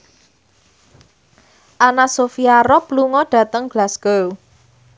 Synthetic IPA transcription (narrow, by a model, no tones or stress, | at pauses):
ʔanasofiaɾɔpluŋɔɖ̥ä̤t̪əŋɡ̥lasɡ̥ow